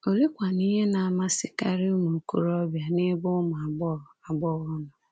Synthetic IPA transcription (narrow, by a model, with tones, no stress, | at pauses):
o˨li˦kʷa˨ni˦ɦe˦na˨a˨ma˦sɪ˦ka˦ɾi˦mu˨kṵ˦˨ɾɔ˦bja˨nɪ˦bʊ˦mʊ˨a˨bɔ˦ɾɔ˨a˨bɔ˦ɣɔ˦nɔ˨